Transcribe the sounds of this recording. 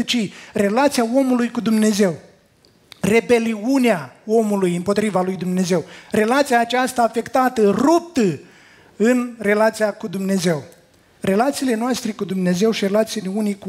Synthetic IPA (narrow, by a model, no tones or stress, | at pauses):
t͡ʃire̞lat̪sijao̞mulujkud̪umne̞ze̞w | re̞be̞liuneao̞mulujɨmpo̞t̪ɾivalujd̪umne̞ze̞wre̞lat̪sijaːt͡ʃast̪aːfe̞kt̪at̪ərup̚t̪ə | ɨnre̞lat̪sijakud̪umne̞ze̞w | re̞lat̪siːle̞noast̪ɾe̞kud̪umne̞ze̞wʃire̞lat̪sileunijku